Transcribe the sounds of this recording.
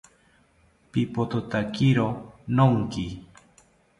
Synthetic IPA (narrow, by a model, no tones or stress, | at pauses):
pipot̪ot̪akiɾonoŋki